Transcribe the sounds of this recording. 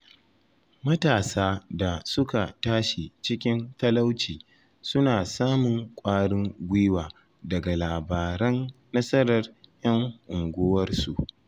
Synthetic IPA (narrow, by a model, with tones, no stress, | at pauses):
mɐ˦taː˨saː˦da˨sʊ˦ka˨taː˦ʃi˨t͡ʃɪ˦kʲɪ˦nt̪ɐ˦la˦wt͡ʃiː˨ | sʊ˦naː˨saː˦mʊ˨ŋkʷʼaː˦ɽɪ˦ŋɡʷiː˦waː˨ | dɐ˨ɡa˨laː˨baː˨ɾɐ˦nː | ɐ˦sɐ˦ɾɐ˨rjɐ˦ŋʔʊ˨ŋɡʷoː˦wɐ˦rsu˨ʔ